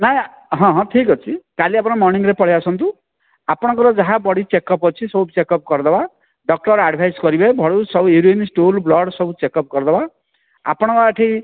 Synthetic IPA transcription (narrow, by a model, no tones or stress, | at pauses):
naẽ | ɦɔ̃ɦɔ̃ʈʰikɔt͡ʃʰikaliapɔɽ̃ɔmɔɾniŋɡɾepɔɽiasʰɔnt̪u | apɔɽ̃ɔ̃ŋkɔɾɔd͡ʒaɦabɔɽit͡ʃekɔpɔt͡ʃʰisɔbt͡ʃekɔp̚kɔɾd̪ɔba | ɖɔk̚ʈɔɾaɖbʱajskɔɾibajbʱɔɽusɔbueɾuenisʈolblɔɽsɔbut͡ʃekɔp̚kɔɾd̪ɔba | a̰pɔɽ̃ɔ̃kɔaʈʰi